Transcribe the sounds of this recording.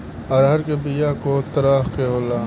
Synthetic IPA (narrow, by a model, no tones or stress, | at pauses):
ɐɾɦɐɾkebijaːkot̪ɐɾaːxkeɦoːlaː